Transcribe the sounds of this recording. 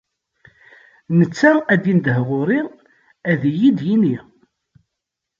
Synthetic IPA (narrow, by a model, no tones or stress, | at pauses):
nət͡sːææd̪ind̪əhʁʊɾi | æðjid̪jini